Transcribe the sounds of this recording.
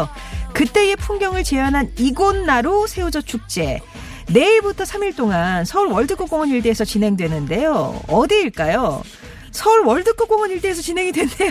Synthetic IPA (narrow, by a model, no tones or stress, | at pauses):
kɯt͈e̞je̞pʰuŋɡjʌŋɯɭt͡ɕe̞anɦaniɡonːaɾosʰe̞ud͡ʑʌt͡ɕʰuk̚t͡ɕ͈e̞ | ne̞iɭbutʰʌsʰamiɭt͈oŋansʰʌuɭwʌɭdɯk͈ok͈oŋʌɲiɭt͈eːsʰʌt͡ɕinɦe̞ŋdwe̞nɯnde̞joʌdiiɭk͈ajo | sʰʌuɭwʌɭdɯk͈ok͈oŋʌɲiɭt͈e̞ːs̬ʰʌt͡ɕinɦe̞ŋidwe̞nde̞j